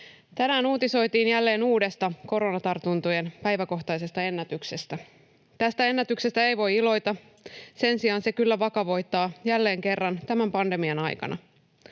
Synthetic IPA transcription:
t̪ænæːnuːt̪iso̞jt̪iːnjælːe̞ːnuːde̞st̪ɑko̞ɾo̞nɑt̪ɑrt̪unt̪ujenpæjʋæko̞xt̪ɑjse̞st̪ɑe̞nːæt̪ykse̞st̪æ | t̪æst̪æe̞nːæt̪ykse̞st̪æe̞jʋo̞jilo̞jt̪ɑ | se̞nsiɑnse̞kylːæʋɑkɑʋo̞jt̪ːɑːjælːe̞ːŋke̞rːɑnt̪æmæmpɑnde̞miɑnɑjkɑ̰nʔɑ̰

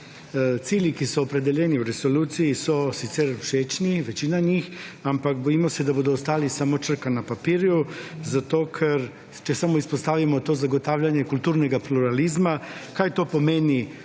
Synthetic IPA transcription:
t̪siːlikisoːpɾed̪eʎɛniuɾesoluːt̪sijisosit̪sɛɾuʃeːt͡ʃniʋet͡ʃiːnaɲixampakbojiːmosɛd̪abod̪oːst̪aːlisaːmot͡ʃər̩kanapapiːɾjuzat̪oːkʰɛɾ | t͡ʃɛsamoispost̪aːʋimot̪ozaɡot̪aːwʎʲaɲjekult̪uːɾnɛɡapluɾalizmakaːjt̪opomeːni

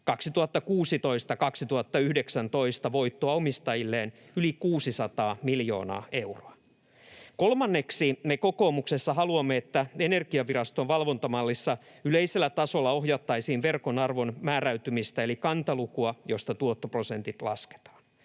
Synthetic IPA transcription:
kɑksit̪uhɑt̪ːɑkuːsit̪o̞ist̪ɑkɑksit̪uhɑt̪ːɑyhdeksænt̪o̞ist̪ɑʋo̞jt̪ːoɑomist̪ɑjilːeːn | ylikuːsisɑt̪ɑːmiljo̞̰ːnɑ̰ːe̞wroɑ | ko̞lmɑnːe̞ksimeko̞ko̞ːmuksesːɑɦɑluɑmːeet̪ːæene̞rɡ̥iɑʋiɾɑst̪o̞ʋʋɑlʋont̪ɑmɑlːisːɑ | yleise̞lːæt̪ɑso̞lːɑo̞ɦjɑt̪ːɑjsiːnʋe̞rko̞nɑrʋo̞nmæːɾæyt̪ymist̪æelikɑnt̪ɑlukuɑjo̞st̪ɑt̪uot̪ːopro̞se̞nt̪it̪lɑ̰ske̥t̪ɑ̥ːn

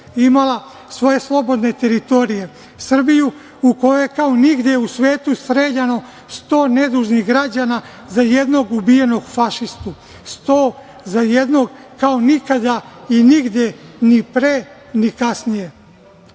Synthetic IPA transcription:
imalˠa | sʋo̞je̞slˠo̞bo̞d̪ne̞t̪e̞ɾit̪o̞ɾije̞ | sr̩biju | uko̞jojekaoniɡd̪jeusʋe̞ːt̪ust̪ɾeːʎano̞ | st̪o̞ːne̞d̪uːʒniɦɡɾad͡ʑana | zajed̪no̞ɡubije̞no̞ɡfaʃist̪u | st̪oː | zajed̪no̞ɡkaonikad̪ainiɡd̪je̞nipɾe | nikasnije̞

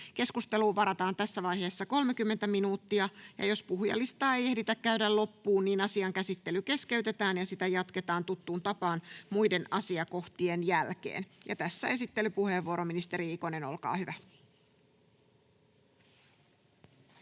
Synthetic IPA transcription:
ke̞skust̪e̞luːʋɑɾɑt̪ɑːnt̪æsːæʋɑjɦe̞ːsːɑko̞lmekymːe̞nt̪æminuːt̪ːiɑjɑ̰jo̞spuhjɑ̰lːist̪ɑːe̞je̞hdit̪ækkæydællo̞pːuːnniːnɑsiɑŋkæsit̪ːe̞lyke̞ske̞yt̪e̞t̪æːnjɑsit̪æjɑt̪ke̞t̪ɑːnt̪ut̪ːuːnt̪ɑpɑːnmujde̞nɑsiɑko̞ht̪ie̞njælkḛːnjɑ̰t̪æsːæe̞sit̪ːe̞lypuhe̞ːʋːuoɾominist̪e̞ɾiiko̞ne̞no̞lkɑ̰ːhyʋæ

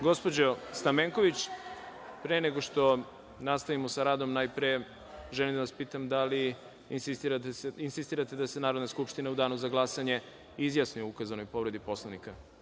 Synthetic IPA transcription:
ɡo̞spo̞d͡ʑost̪ameŋko̞ʋit͡ɕ | pɾeneɡo̞ʂt̪o̞ | nast̪aʋimo̞saɾaːd̪o̞mnajpɾe | ʒɛlimd̪aʋaspiːt̪amd̪ali | insist̪iɾainsist̪iːɾat̪e̞d̪asenaːɾod̪naskupʃt̪inaud̪aːnuzaɡlˠasaɲe̞ | izjasnujukazano̞jpo̞ʋɾe̞d̪ipo̞slˠanika

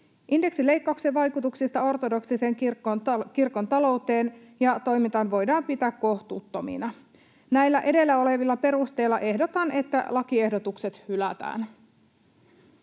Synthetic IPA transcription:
ʔinde̞ksile̞jkːɑukseʋɑjkut̪uksist̪ɑo̞rt̪o̞do̞ksise̞ːŋkrokirko̞nt̪ɑlo̞wt̪e̞ːn | jɑt̪o̞jmint̪ɑnʋo̞jdɑːmpit̪æːkːo̞ht̪uːt̪ːo̞mḭnɑ | næjlːæʔe̞de̞lːæo̞le̞ʋilːɑpe̞ɾust̪e̞jlːɑʔe̞ɦdo̞t̪ɑnʔe̞t̪ːæ̰lɑkie̞hdot̪ukse̞t̪hylæt̪æ̰ːn

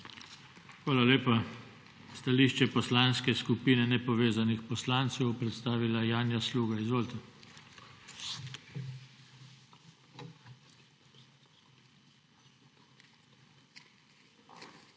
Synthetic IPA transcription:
xʋaːlaleːpa | st̪aliʃt͡ʃɛpɔslanskɛskupiːnɛnɛpɔʋeːzanixpɔslaːnt̪sɛwpɾɛt̪st̪aːʋilajaːnjasluːɡaizʋoːlt̪ɛ

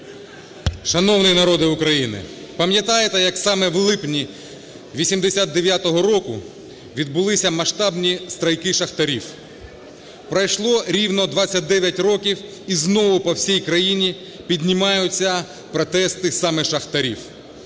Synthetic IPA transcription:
ʃɐnɔwnɪnɐɾɔd̪ɪʊkɾɐjinɪ̰pɐmjɐt̪ɑjet̪ɛjɐksɑmɛwlˠɪpnʲi | ʋʲisʲimd̪esʲat̪̚d̪eʋʲjat̪ɔɦɔɾɔkʊ | ʋʲid̪̚bʊlˠɪsʲɐmɐʃt̪ɑbnʲist̪ɾɐjkɪʃɐxt̪ɐɾʲiw | pɾɐjʃlˠɔɾʲiwnɔd̪ʋɑt͡sʲːɐt̚ʲd̪ɛʋʲjɐtʲrɔkʲiw | iznɔʋʊpɔwsʲijkɾɐjinʲi | pʲidʲnʲɪmɑjʊt͡sʲːɐ | pɾɔt̪ɛst̪ɪsɑmɛʃɐxt̪ɐɾʲiw

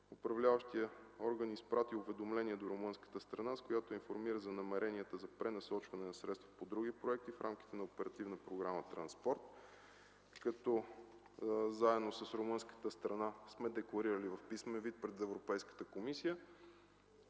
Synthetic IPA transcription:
ʊpɾɐvlʲavəʃt̪ijəɔɾɡənispɾat̪iʊvɛd̪omlɛniɛd̪oɾomɤnskə̥t̪əst̪ɾɐnaskojat̪oinfoɾmiɾəzɐnɐmɛɾɛniət̪əzɐpɾɛnɐsɔt͡ʃvɐnɛnɐsɾɛt̪st̪vəpod̪ɾuɡipɾoɛk̚t̪ifɾʔamk̟ʲi̥t̪ɛnɐopɛɾɐt̪ivnəpɾoɡɾamət̪ɾɐnspɔɾt̪̚ | kɐt̪ɔ | zaɛd̪nosəsɾomɤnskə̥t̪əst̪ɾɐnasmɛd̪ɛklˠɐɾiɾəlivɐfpismɛnvit̪̚pɾɛd̪ɛvɾopɛjskə̥t̪əkomisijə

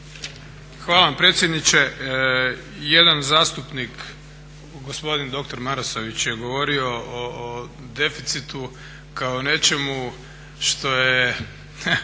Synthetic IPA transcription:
xʋaːlˠaʋampɾet̪sjed̪nit͡ɕe̞ | je̞d̪anzaːst̪upnik | ɡo̞spo̞d̪ind̪o̞kt̪o̞ɾmaɾosoʋit͡ɕje̞ɡo̞ʋo̞ɾio̞ʔoː | d̪e̞fit̪sit̪u | kaone̞t͡ʃe̞mu | ʃt̪o̞je

